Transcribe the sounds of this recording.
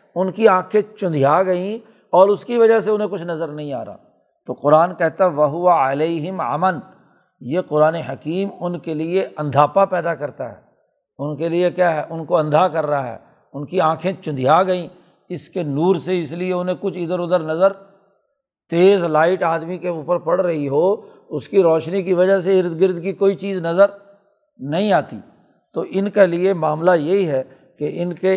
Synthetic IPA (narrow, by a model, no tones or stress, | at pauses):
ʊnkiãːkʰẽt͡ʃʊ̃nd̪ʱijaːɡɐĩ | ɔːɾʊskiʋɐd͡ʒaseʊnɦẽk̬ʊt͡ʃʰnɐzəɾnɐɦĩa̰ːɾa̰ː | t̪oːqʊɾaːnkɛɦt̪aɦɛʋɐɦʊʋaɐleːɦɪmɐ̰məl | jeːqʊɾaːneɦɐkiːmʊnkelieʔɐ̃nd̪ʱaːpapɛːd̪akɐɾt̪aɦɛ̰ː | ʊnkeliekjaːɦɛːʔʊnkoɐ̃nd̪ʱakɐɾːaaɦɛ̰ː | ʊnkiãːkʰẽt͡ʃʊ̃nd̪ʱijaːɡɐĩː | ɪskenuːɾseɪslieʊnɦẽkʊt͡ʃʰɪd̪əɾʊd̪əɾnɐzəɾ | t̪eːzlaːɪʈaːd̪mikeuːpəɾpɐɽɾɐɦiɦoː | ʊskiɾɔːʃnikiʋɐd͡ʒaɦs̬eɪɾd̪ɡɪɾd̪kikoːit͡ʃiːznɐzəɾ | nɐɦĩaːt̪ḭː | t̪oːʔɪnkeliemaːmlajeɦiɦɛ | keɪnke